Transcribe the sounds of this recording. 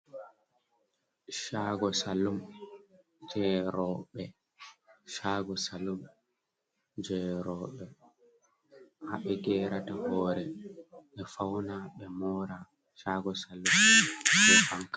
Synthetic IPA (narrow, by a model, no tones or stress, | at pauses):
ʃaːɡɔsalum | d͡ʒɛːɾɔɓɛ | ʃaːɡɔsalum | d͡ʒɛɾɔːɓɛ | ha̰ɓɛɡɛːɾatahɔːɾɛɓɛfawnaɓɛmɔːɾa | ʃaːɡɔsalːumɓɛfaŋka